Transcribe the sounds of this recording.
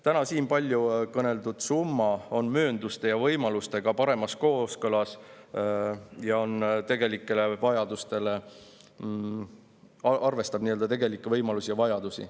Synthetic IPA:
t̪ænɑsiːnpɑlʲjukɤne̞ld̪ud̪̥sumːɑo̞nmøːnd̪ust̪e̞jɑvɤjmɑlust̪e̞ɡ̥ɑpɑɾe̞mɑsko̞ːskɤlɑs | jɑo̞nt̪e̞ɡ̥e̞likːˑe̞le̞vɑjɑd̪̥ust̪e̞le̞ | ɑʔɑrve̞st̪ɑb̥niːøld̪ɑt̪e̞ɡe̞likːˑevɤjmɑlusijɑvɑjɑd̪̥usḭ

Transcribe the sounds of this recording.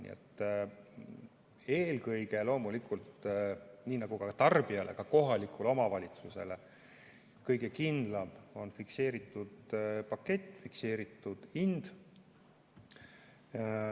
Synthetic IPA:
nḭḛt̪ːˑ | e̞ːlkɤjɡe̞lo̞ːmulikult̪ | niːnɑɡ̥ukɑt̪ɑrb̥iɑlʔe̞̰kɑko̞ɦɑlikuleomɑvɑlʲit̪suse̞̰le | kɤjɡe̞kind̪̥lɑmo̞nfikse̞ːɾit̪ːˑud̪̥pɑkːe̞t̪ːfikse̞ːɾit̪ːˑud̪̥ind̪̥

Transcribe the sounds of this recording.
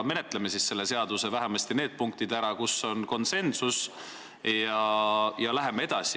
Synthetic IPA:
me̞ne̞t̪ˑleme̞sisːe̞lːe̞se̞ɑd̪̥use̞væɦemɑst̪ine̞ːd̪̥̚puŋk̚t̪id̪̥æɾɑkusːo̞nko̞nse̞nsus | jɑjɑlæɦe̞mee̞d̪̥ɑsi

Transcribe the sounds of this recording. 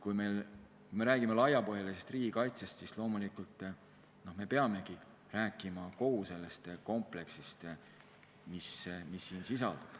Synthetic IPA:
kujme̞jl | kume̞ɾæːɡ̥ime̞lɑjɑpo̞jɑlisest̪riːɡ̥ikɑjt̪sest̪sislo̞ːmulikult̪ːˑ | no̞hme̞pe̞ɑme̞ɡi | ɾæːkːˑimɑko̞huse̞lːest̪ko̞mple̞ksist̪ | mismisːiːnsisɑ̰ld̪̥ub̥

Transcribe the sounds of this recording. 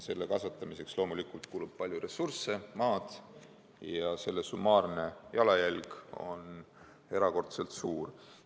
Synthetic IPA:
se̞lːekɑsɑt̪ˑːɑmise̞kslo̞ːmulikˑult̪̚kuːlub̥̚pɑlʲjuɾe̞surse̞mɑːd̪̥ | jɑse̞lːesumɑːrne̞jɑlɑjælɡ̥o̞̰n | e̞ɾɑko̞rt̪selt̪suːr

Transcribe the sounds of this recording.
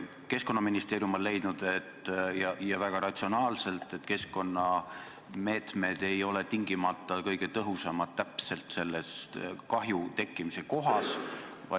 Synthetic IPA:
ke̞sko̞nːɑminist̪e̞ːɾjumollːe̞jd̪̥nud̪̥e̞t̪ːjɑjɑvæɡ̥ɑɾɑt̪ʲsio̞nɑːlse̞lt̪ːˑe̞t̪ke̞sko̞nːɑ | me̞ːt̪me̞d̪̥e̞jo̞le̞t̪iŋɡ̥imɑt̪ˑːɑkɤjɡ̥e̞t̪ɤɦusɑmɑt̪t̪ːæpse̞lt̪se̞lːe̞st̪kɑɦjut̪e̞kːˑimise̞ko̞ɦɑsvɑ̰

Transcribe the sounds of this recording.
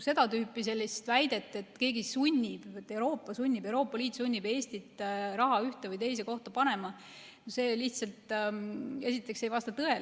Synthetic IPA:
se̞d̪ɑt̪yːpːˑise̞lʲːist̪væjd̪̥e̞t̪ːˑet̪ˑke̞ːɡisunʲːib̥t̪ːˑe̞uɾo̞ːpːɑsunʲːib̥ewɾo̞ːpːˑɑliːt̪ːˑsunʲːib̥e̞ːsʲt̪it̪ːɾɑɦɑyht̪evɯjt̪e̞js̬e̞ko̞ht̪ɑpɑne̞mɑ | nose̞ːliht̪sɑlt̪ | e̞sit̪ːˑe̞kse̞jvɑst̪ɑt̪ɤe̞l

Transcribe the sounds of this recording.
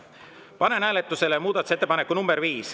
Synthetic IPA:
pɑne̞næːlet̪ːˑuse̞lemuːd̪ɑt̪u̥set̪ːpɑnekːˑunumbeɾviːs

